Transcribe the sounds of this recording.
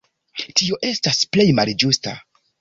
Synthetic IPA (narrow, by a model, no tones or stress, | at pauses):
tio̞ʔe̞stasple̞jmald͡ʒusta̰